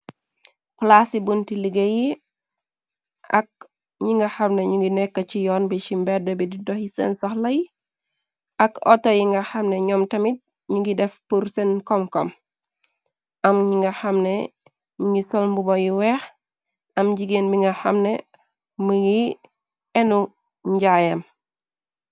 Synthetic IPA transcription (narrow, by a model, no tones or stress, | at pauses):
plasibuntiliɡeji | ʔɐ̰k̚ | ɲiŋɡɐxɐmneɲuŋɡinɛkːɐcijɔːnbit͡ʃimbɛdɔbididɔxjisɛ̰nsɔxlɐji | ʔɐkɔ̰tɐjiŋɡɐxɐmnɛɲɔmtɐmit̚ | ɲuŋɡidɛfpuɾsɛnkɔmkɔm | ʔɐmɲiŋɡɐxɐmne | ɲuŋɡisɔlmbubojiwɛːx | ɐmɟiɡeːnbiŋɡɐxɐmne | məɡi | ɛnu | ɲɟaːjɐm